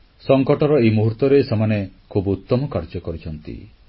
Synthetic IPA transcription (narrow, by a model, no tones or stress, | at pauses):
sɔŋkɔʈɔɾɔemuɦuɾt̪ɔɾesemanekʰubut̪ːɔmɔkaɾd͡ʒɔkɔɾit͡ʃʰɔnt̪ḭ